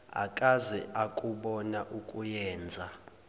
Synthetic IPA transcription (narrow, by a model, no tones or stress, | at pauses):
a̰kʼazɛakʼuɓɔnaʔukʼujɛːnd͡zʱa